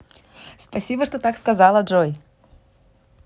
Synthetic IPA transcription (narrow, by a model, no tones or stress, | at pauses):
spɐsʲibəʂt̪ot̪akskɐzalˠɐʐoj